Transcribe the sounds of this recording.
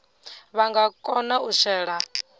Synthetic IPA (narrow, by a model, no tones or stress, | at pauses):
βaŋɡakʼɔnauʃɛːɺa